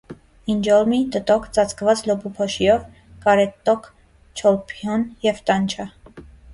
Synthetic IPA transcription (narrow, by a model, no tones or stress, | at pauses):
ind͡ʒɔlmit̪ət̪ɔkʰt͡sɑt͡sʰkvɑt͡slɔbupʰɔʃiɔv | kɑɾɛt̪ːɔkʰ | t͡ʃʰɔlpʰɔnjɛvt̪ɑnt͡ʃʰə